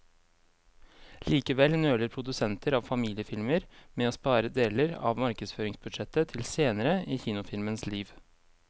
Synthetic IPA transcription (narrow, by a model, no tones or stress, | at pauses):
liːkəʋɛlnøːləɾpʰɾʊd̪ʉsɛnt̪ʰəɾɑːʋfɑmiːlɪəfɪlməɾmeːoːspɑːɾəd̪eːləɾɑ̰ʋmɑɾkəsføːɾɪŋsbʉd̪ʂɛt̪ːət̪ʰɪlseːnəɾəiːçiːnʊfɪlmənsliːʋ